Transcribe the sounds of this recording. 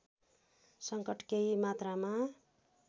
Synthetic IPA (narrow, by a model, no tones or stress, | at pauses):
sʌŋkʌʈkeimat̪rama